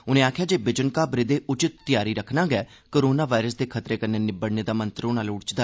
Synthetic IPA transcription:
ʊnẽːaːkʰjaːd͡ʒeːbɪd͡ʒənkaːbɾɪd̪eːʔʊt͡ʃɪt̪ːɪjaːɾiːɾəkʰnãːɡɛː | koːɾoːnaːʋaːɪɾəsd̪eːkʰət̪ɾeːkəɾneːnɪbəɽneːd̪aːmə̃nt̪ɾoːnaːlʊɽt͡ʃd̪aː

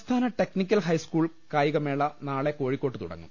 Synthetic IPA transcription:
st̪ʰaːnɐʈe̞knikʲːɐlɦɐjskuːɭ | kaːjiɣɐmeːɭɐnaːɭe̞ko̞ːɻikʲːo̞ːʈːɨt̪ṵɽɐ̰ŋːṵm

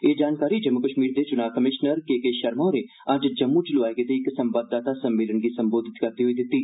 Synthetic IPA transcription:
eːd͡ʒaːnkaːɾid͡ʒəmːʊkəʃmiːɾd̪et͡ʃʊnaːʋkəmɪʃnəɾkeːkeːʃɐɾmõne | ɐd͡ʒd͡ʒɐmːut͡ʃɪlʊʋaːeɡet̪eɪksɐmbəd̪ːaːt̪asɐmːeːlənɡisɐ̃mboːd̪ʱɪt̪kɐɾd̪iɦoid̪ɪt̪ːiː

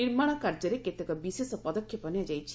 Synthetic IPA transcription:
niɾmaɽ̃akaɾd͡ʒɔɾeket̪ekɔbisesɔpɔd̪ɔkʰjɔbɔnjad͡ʒajt͡ʃʰi̥

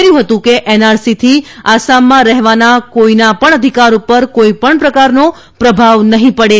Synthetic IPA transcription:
ɾjũɦət̪ũkeʔɛnaɾsit̪ʰiasamːãɾɛɦʋanakoinapəɳ̃əd̪ʱikaɾupəɾkoipəɳpɾəkaɾno | pɾəbʱaʋnəɦĩpəɽe

